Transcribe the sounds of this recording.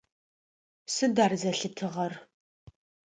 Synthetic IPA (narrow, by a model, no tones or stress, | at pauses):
sɨdaːrzɐɬɨtʰɨʁɐr